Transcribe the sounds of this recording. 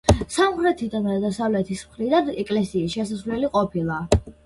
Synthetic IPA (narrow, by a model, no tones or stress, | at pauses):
samχɾɛt̪ʰid̪anɾad̪asavlɛt̪ʰismχɾid̪anɛkʼlɛsiːsʃɛsasvlɛliqʼɔpʰilˠa